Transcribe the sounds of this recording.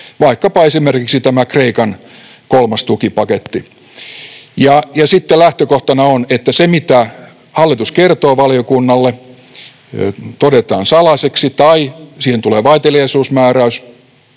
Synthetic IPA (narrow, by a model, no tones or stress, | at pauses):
ʋɑikːɑpɑesimerkiksit̪æmækreikɑn | kolmɑst̪ukipɑket̪ːi | jɑjɑsit̪ːelæht̪økoht̪ɑnɑonet̪ːæsemit̪æ | hɑlːit̪uskert̪oːʋɑliokunːɑlːe | t̪odet̪ɑ̰ːnsɑlɑseksit̪ɑisiːhent̪uleːʋɑit̪elijɑisuːsmæːræys